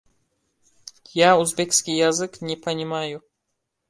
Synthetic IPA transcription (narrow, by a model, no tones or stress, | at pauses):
jauzbʲekskʲijːazɨknʲɪpɐnʲɪmajʊ